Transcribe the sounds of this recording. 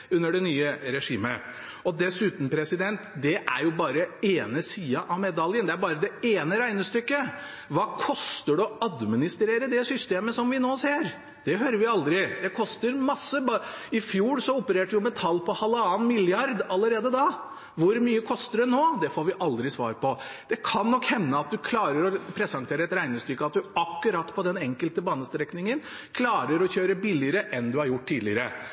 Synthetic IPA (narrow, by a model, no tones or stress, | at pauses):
ʉnːəɖɛnyːəɾɛʂiːmə̰ | ɔd̪ɛsʉːt̪n̩pʰɾɛsɪd̪ɛnt̪d̪ɛʔæ̰ɾjʊbɑːɾəeːnəsiːɑʔɑʋmɛd̪ɑljənd̪ɛæɾbɑːɾəd̪ɛeːnəɾæɪnəst̪ʏkːə | ʋɑːkʰɔst̪əɖʉɔɑd̪mɪnɪst̪ɾeːɾəd̪ɛsʏst̪eːməsɔmʋɪnoːseːɾ | d̪̥ɛɦøːɾəɾʋɪɑld̪ɾɪd̪ɛkʰɔst̪əɾmɑsːəbɑɪfjuːɾsɔʊpəɾeːʈjʊmɛt̪ʰɑlːpʰɔhɑlːəɑːnmɪljɑɾd̪ɑlːəɾeːd̪əd̪ɑː | ʋʊɾmyːəkʰɔst̪əd̪ɛnoːd̪ɛfoːɾʋɪʔɑld̪ɾɪsʋɑ̰ːɾpɔd̪̥ɛkʰɑnːɔkːhɛnːəɑt̪̚d̪ʉkʰlɑːɾəɾɔpʰɾɛsɑŋt̪ʰeːɾəɛt̪ɾæɪnəst̪ʏkːəɑt̪̚d̪ʉɑkːʉɾɑt̪ːpʰɔd̪ɛnɛŋkəlt̪əbɑːnəst̪ɾɛknɪŋən | kʰlɑːɾəɾɔçøːɾəbɪlɪəɾəʔɛnd̪ʉhɑɾjʊʈ̚ːt̪iːlɪəɾə̰